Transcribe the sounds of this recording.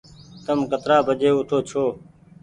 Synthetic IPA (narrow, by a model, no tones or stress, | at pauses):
t̪əmkət̪ɾaːbʱəd͡ʒeːʊt̪ʰoːt͡ʃʰoː